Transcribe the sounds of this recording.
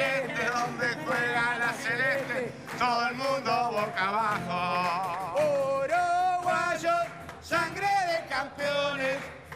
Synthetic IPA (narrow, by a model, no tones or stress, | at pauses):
ent̪eðõnd̪etweɣalaselẽt̪e | t̪oðoelmũnd̪oβokaβako | oɾowaʒo | sãŋɡɾeðekampeones